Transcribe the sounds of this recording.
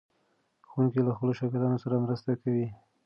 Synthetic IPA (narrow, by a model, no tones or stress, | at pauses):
xuŋkilaxpəloʃɑkɪlɑnosaɾamɾəst̪akawi